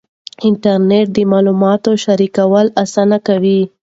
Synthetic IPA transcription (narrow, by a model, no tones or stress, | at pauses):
ɪɳʈaɾneʈ̚d̪əmɑlumɑt̪oʃaɾikawəlasanakawi